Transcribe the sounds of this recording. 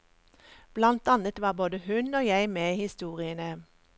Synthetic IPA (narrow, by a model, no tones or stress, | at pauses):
b̥lɑnt̪ɑnət̪ʋɑːboːd̪əhʉnoːjæɪmeːhɪst̪uːʁɪənə